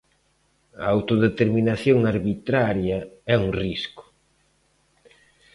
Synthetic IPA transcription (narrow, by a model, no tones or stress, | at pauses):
ɐ̰awt̪oðet̪eɾminaθjoŋaɾβit̪ɾaɾjɐɛuŋriskʊ̥